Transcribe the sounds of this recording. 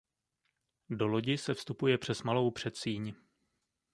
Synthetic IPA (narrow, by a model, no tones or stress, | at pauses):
do̞lo̞ɟɪsɛfst̪upujɛpr̝̥ɛsmalo̞wpr̝̥ɛt̪siːɲ